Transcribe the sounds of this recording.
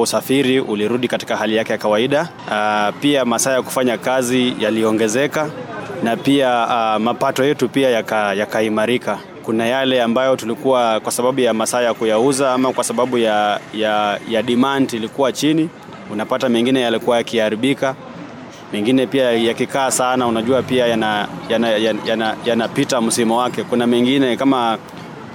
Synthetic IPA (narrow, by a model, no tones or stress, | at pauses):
usafiɾiʔuliɾuɗikati̥kahalijakɛjakawaiɗa | piamasaːjaku̥faɲakazijaliɔŋɡɛzɛkanapiamapatɔjɛtupiajakajakaimaɾika | kunajalɛambajɔtulikuwakwasaɓaɓujamasajakujauzaamakwasaɓaɓujajajaɗimantilikuwat͡ʃini | unapatamɛŋɡinɛjalikuwajakihaɾiɓika | mɛŋɡinɛpiajakikaːsanaunaʄuapiajanajanajajanajanapitam̩simɔwakɛkunamɛŋɡinɛkama